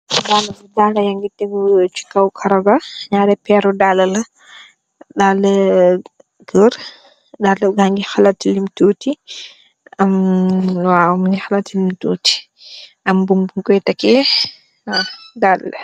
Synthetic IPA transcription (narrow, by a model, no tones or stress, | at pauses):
daːlːɐbudaːlɐjɐŋɡitːɛɡut͡ʃi̥kːɐwkʰɐɾɐɡɐɲaːɾɛpɛɾɔdalɐlɐ | daːlɐ | ɡəɾ | dalɐɡaŋɡixalatːilimtuːti | ɐm | wamŋixalatːilimtuːti̥ | ɐmbumbumkɔjtɐkɛ | adalɐ